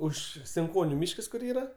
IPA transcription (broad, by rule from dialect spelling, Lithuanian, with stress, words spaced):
ˈʊʃ sʲɪŋˈkoːnʲʊ ˈmʲiːʃkɐs kʊr ˈiːrɐ